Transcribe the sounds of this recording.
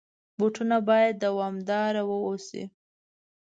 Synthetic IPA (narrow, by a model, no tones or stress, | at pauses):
boʈunabɑjad̪̚ːawɑmd̪ɑɾawəosḭ